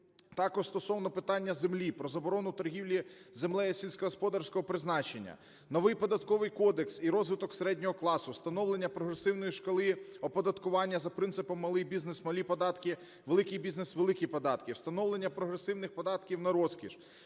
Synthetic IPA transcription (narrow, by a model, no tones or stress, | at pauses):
t̪ɑkɔʒ̥st̪ɔsɔwnɔpɪt̪ɑnʲːɐzemlʲipɾɔzɐbɔɾɔnʊt̪ɔɾɦʲiwlʲizemlˠɛjɐsʲilʲsʲkɔɦɔspɔd̪ɑrsʲkɔɦɔpɾɪznɑt͡ʃenʲːɐ̰ | nɔʋɪjpɔd̪ɐt̪kɔʋɪjkɔd̪eksiɾɔzʋɪt̪ɔkseɾɛdʲnʲɔɦɔklˠɑsʊst̪ɐnɔwlˠe̞nʲːɐpɾɔɦɾesɪwnɔjiʃkɔlˠɪɔpɔd̪ɐt̪kʊʋɑnʲːɐzɐpɾɪnsɪpɔmːɐlˠɪjbʲiznesmɐlʲipɔd̪ɑt̪kʲɪ | ʋelˠɪkʲɪjbʲiznesʋelˠɪkʲipɔd̪ɑt̪kʲiwst̪ɐnɔwlˠe̞nʲːɐpɾɔɦɾesɪwnɪxpɔd̪ɑt̪kʲiwnɐɾɔskʲḭʒ